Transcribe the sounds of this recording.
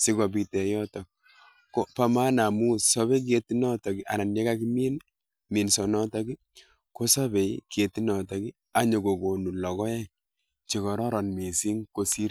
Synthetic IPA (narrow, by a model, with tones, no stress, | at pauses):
si˦kɔ˨bi˨tɛ˨jɔ˦tɔ˨k̚ | kːo˦pa˦ma˦na˨mu˦sɔ˦βe˦k̬i˦e˨ti˦nɔ˦tɔ˨ki˦ʔa̰˨na˨nje˦ka˦ki˦mi˦n | mi˨nsɔ˨nɔ˦tɔ˦ki˦ | ko˦sɔ˦be˨ki˨e˨ti˦nɔ˨tɔ˨ki˦ | a˦ɲo˨ɡo˨ko˨nu˨lɔ˨kɔ˦jɛ˦ŋ | t͡ʃi˨kɔ˨ɾɔ˦ɾɔ˨nmi˨si˦ŋko˦si˦ɾ